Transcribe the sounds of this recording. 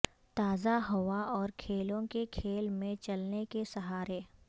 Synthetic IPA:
t̪aːzaɦɐʋaɔːɾkʰeːlõkekʰeːlmẽt͡ʃɐlnekesɐɦaːɾeː

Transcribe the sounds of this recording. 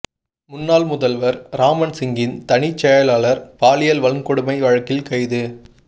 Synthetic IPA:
mʊnːaːlmʊðɐlʋɐɾɾaːmɐnsɪŋɡɪnt̪ɐɳɪt͡ʃːɛjɐlaːlɐɾpaːlɪjɐlʋɐɭɯmkɔɽɯmɐɪʋɐɻɐkːɪlkɐɪðɯ

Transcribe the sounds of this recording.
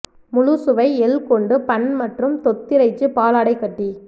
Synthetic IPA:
mʊɻusɯʋɐɪɛlkɔɳɖɯpɐɳmɐʈrɯmt̪ɔt̪ːɪɾɐɪt͡ʃːɯpaːlaːɽɐɪkːɐʈːi

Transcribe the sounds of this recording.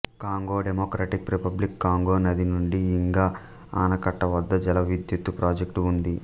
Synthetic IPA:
kaːŋɡoːɖemoːkɾaːʈikɾipɐblikːaːŋɡoːnɐd̪inuɳɖiːŋɡaː | a̰ːnɐkɐʈːɐʋɐd̪ːɐd͡ʒɛlɐʋid̪jut̪ːupɾʔaːd͡ʒek̚ʈund̪i

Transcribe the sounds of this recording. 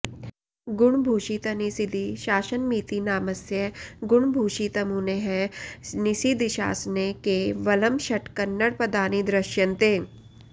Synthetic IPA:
ɡʊɳ̃bʱuːʃit̪ɐnisid̪iʃaːʃənmiːt̪inaːməsjəɡʊɳbʱuːʃit̪ɐmuːneɦɛnisid̪iʃa̰ːsnekeʋɐləmʃɐʈkɐnːəɽpɐd̪aːnid̪ɾɐʃjənt̪eː

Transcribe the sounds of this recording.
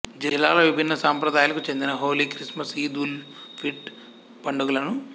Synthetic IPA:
d͡ʒiilːaːlɐʋibʱinːɐsaːmpɾɐd̪aːjlɐkut͡ʃe̞nd̪inɐɦoːliːkɾismɐsiːd̪uːl | pʰiʈ | pɐɳɖuɡulɐnu

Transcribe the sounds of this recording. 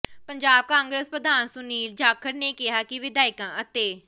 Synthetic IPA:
pəɲd͡ʒaːb̚kãːŋɡɾəspɾəd̪aːnsʊniːld͡ʒaːkʰəɾneːkɪɦaːkɪʋɪd̪aːɪkãːʔət̪eː

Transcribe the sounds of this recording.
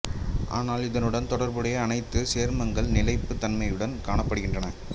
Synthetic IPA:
ʔa̰ːnaːlɪðɐnɯɽɐnt̪ɔɽɐɾbɯɽɐjɐɐnɐɪt̪ːɯseːɾmɐŋɡɐɭnɪlɐɪpːɯt̪ːɐnmɐjɯɽɐnkaːɳɐpːɐɽɯɣɪndrɐnɐ

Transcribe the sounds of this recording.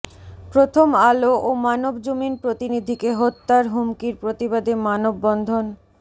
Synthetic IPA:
pɾot̪ʰomaloʔomanobd͡ʑominpɾot̪inid̪ʱikeɦot̪ːaɾɦumkiɾpɾot̪ibad̪emanobːɔnd̪ʱon

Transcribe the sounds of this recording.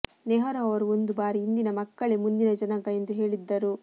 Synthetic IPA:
neɦɐɾɐːɐʋɐɾuo̞nd̪ubaːɾiːnd̪inɐmɐkːɐɭemund̪inɐd͡ʒɐnɐɡɐe̞nd̪uɦe̞ːɭid̪ːɐɾu

